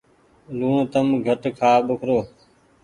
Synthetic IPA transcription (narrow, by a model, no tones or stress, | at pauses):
lũːt̪əmɡʱəʈkʰaːɓʊkʰɾoː